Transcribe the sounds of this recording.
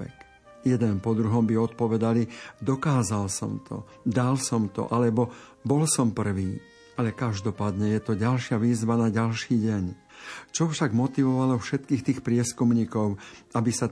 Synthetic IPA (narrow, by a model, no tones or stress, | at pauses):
ɛk | jɛd̪ɛnpɔd̪ɾuɦɔmbiɔt̪̚pɔʋɛd̪alid̪ɔkaːzalsɔ̰mt̪ʰɔ̰ | d̪alsɔmt̪ɔ̰ʔalɛbɔbɔlsɔmpr̩ʋiː | alɛkaʒd̪ɔpaːd̪ɲɛjɛt̪ɔɟalʃɪaʋiːzʋanaɟalʃiːɟɛɲ | t͡ʃɔfʃaɡmɔt̪iʋɔʋalɔfʃɛt̪kiːxt̪iːxpɾɪɛskumɲiːkɔʊabisa